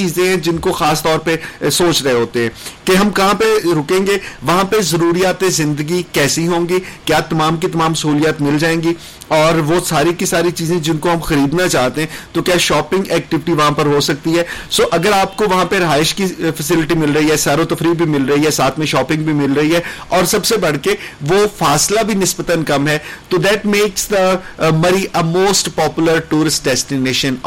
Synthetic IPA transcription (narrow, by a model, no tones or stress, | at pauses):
t͡ʃiːzẽɦɛ̃d͡ʒɪnkoxaːst̪ɔːɾpesoːt͡ʃɾɐɦeɦoːt̪eɦɛ̃keɦɐmkɐɦãpeɾʊkẽːŋɡeʋɐɦãpezɐɾuːɾijaːt̪ẽzɪ̃nd̪əɡikɛːsiɦõːŋɡikjaːt̪ɐmaːmkit̪ɐmaːmsɐɦuːlijaːt̪mɪld͡ʒaːẽːɡi | ɔːɾʋosaːɾikisaːɾit͡ʃiːzẽd͡ʒɪnkoɦɐmxɐɾiːd̪nat͡ʃaːɦt̪eɦɛ̃t̪okjaːʃɔːpɪ̃ŋɡɛːk̚ʈɪʋɪʈiʋɐɦãpɐɾɦosɐk̚t̪iɦɛːsoːʔɐɡəɾaːp̚koʋɐɦãpeɾɐɦaːɪʃkifɐsɪlɪʈimɪlɾɐɦiɦɛsaːɾõt̪ɐfɾiːɡ̚bʱimɪlɾɐɦiɦɛsaːt̪ʰmẽʃɔːpɪ̃ŋɡ̚bʱimɪlɾɐɦiɦɛɔːɾsɐbsebɐɽ̤keʋofaːslabʱinɪsbət̪ənkɐmɦɛt̪od̪ɛːʈmeːksd̪əmɐɾiʔəmoːsʈpɔːpjʊləɾʈuːɾɪsʈ̚ɖɛsʈineːʃə̃n